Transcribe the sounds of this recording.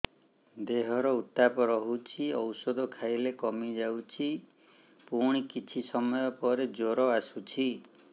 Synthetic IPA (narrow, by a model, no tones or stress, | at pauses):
d̪eɦɔɾɔut̪apɔɾɔɦut͡ʃʰiɔwsɔd̪ʱɔkʰajlekɔmid͡ʒawt͡ʃʰi | puɽ̃ikit͡ʃʰisɔmɔjɔpɔɾed͡ʒoɾɔasut͡ʃʰi